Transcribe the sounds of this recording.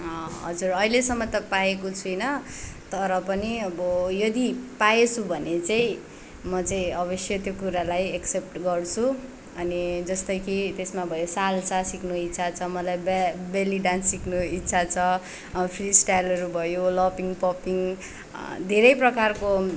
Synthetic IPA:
ɦʌ̰d͡zuɾʌilesʌmːʌt̪ʌpajekot͡sʰujnʌt̪ʌɾʌpʌniʌbʌjʌd̪ipajet͡sʰubʱʌnet͡saĩ | mʌt͡saĩʌbʌsjʌt̪jokuɾalajeksep̚ʈɡʌrt͡sʰu | ʌnid͡zʌst̪ʌjkit̪esmabʱʌjosalt͡sʰasiknuit̪ːsʰat͡sʰʌmʌlajbbeliɖansiknuit̪ːsʰat͡sʰʌ | pʰrisʈajlʌɾubʱʌjolʌpiŋpɔpiŋ | d̪ʱeɾʌjprʌkarko

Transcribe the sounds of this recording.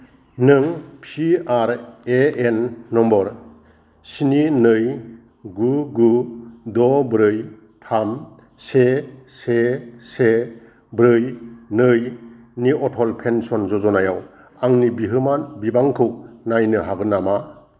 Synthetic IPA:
nɯŋpʰiaɾeenːɔmbɔɾ | sininɯj | ɡuɡudɔbɾɯj | pʰam | sesese | bɾɯjnɯj | niɔtʰɔlpʰensɔnzɔzɔnajaw | aŋnibiɦɯmanbibaŋkʰɯwnajnɯɦaɡɯnama

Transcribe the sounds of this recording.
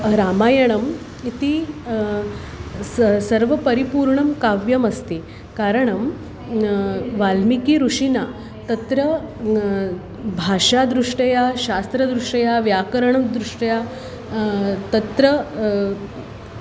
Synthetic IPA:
ɾaːmaːjɐɳɐm | it̪i | sɐɾʋɐpɐɾipuːɾɳɐmkaʋjɐmɐst̪i | kaɾəɳɐm | ʋalmikiɾuʂina | t̪ɐt̪ɾɐ | bʱaːʂad̪ɾuʂʈɐjaɕast̪ɾɐd̪ɾuʂʈɐjaʋjaːkɐɾɐɳ̃ɐmd̪ɾuʂʈɐja | t̪ɐt̪ɾɐ

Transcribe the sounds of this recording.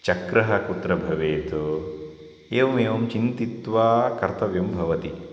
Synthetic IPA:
t͡ʃɐkɾɐɦɐkut̪ɾɐbʱɐʋeːt̪o | eːʋɐmeːʋɐmt͡ʃint̪it̪ʋaːkɐɾt̪ɐʋjɐmbʱɐʋɐt̪i

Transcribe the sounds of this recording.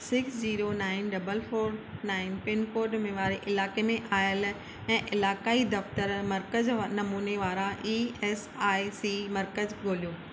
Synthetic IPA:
sɪksd͡ʑiːɾonaːɪnɖɐbəlfʰoːɾnaːɪnpɪnkoːɾɖmẽʋaːɾeʔɪlaːkemẽʔaːjəl | ɛ̃ːʔɪlaːkaːid̪ɐft̪əɾmɐɾkəznɐmuːneʋaːɾaʔiːɛːsaːisimɐɾkəzɡʱoːlijoː

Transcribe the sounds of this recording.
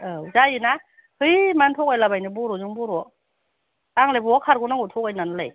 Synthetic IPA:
ɯzajɯna | hɯjmantʰɔkajlabajnɯbɔɾɔzɯŋbuɾɔ | aŋlajbuɔkʰaɾɡunaŋutʰɔkajnanlaj

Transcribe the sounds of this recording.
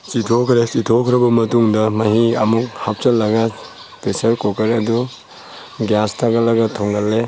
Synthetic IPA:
sitʰokʰɾesitʰokʰɾɐbɐmɐtuŋdɐmɐɦiɐmuk̚hap̚t͡ʃɐlːɐɡɐ | pesɐɾkokɐɾɐdu | ɡjastʰaɡɐlɐɡɐtʰoŋɡɐlːe

